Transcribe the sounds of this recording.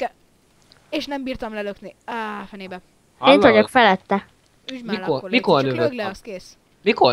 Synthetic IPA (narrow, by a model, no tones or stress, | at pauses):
eːʃnɛmbiːrt̪ɒmlɛløknifɛneːbɛː | nɒɟokfɛlɛt̪ːɛ | ymikormikornøvøɡlskeːs | miko